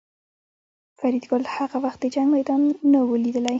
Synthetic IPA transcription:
faɾid̪ɡʊlhaɣawaxt̪̚d̪əd͡ʒaŋɡmajd̪ɑnːawəlid̪əlaj

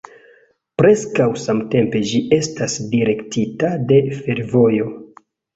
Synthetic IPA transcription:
pɾe̞skawsamte̞mpe̞d͡ʒiʔe̞stasdiɾe̞ktitade̞fe̞ɾvo̞jo̞

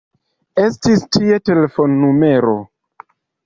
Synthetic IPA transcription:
e̞stistʰie̞te̞lefo̞nːume̞ɾo̞

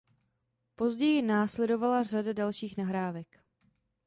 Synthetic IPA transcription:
po̞zɟɛjɪnaːslɛdo̞valar̝adadalʃiːxnaɦɾaːvɛk

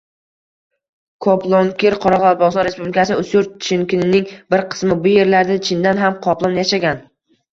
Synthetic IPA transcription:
kʰɒplˠɒŋkʲɪɾqʰɒɾɒʁlˠaɾ̚bɒʁsɒnɾe̞spublɪkʰasɪʊsʊɾt͡ʃʰɪnkʲɪnɪnɪŋbɪɾqʰɨ̥smɪbʊje̞ɾlaɾd̪at͡ʃʰɪnd̪anɦamqʰɒplˠɒnjaʃaɡʲan

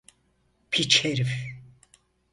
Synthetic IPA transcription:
pʰit͡ʃʰeɾif

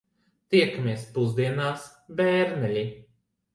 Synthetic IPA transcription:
t̪iɛkmʲiɛspuzd̪iɛnaːs | bɛːɾnʲɛlʲi

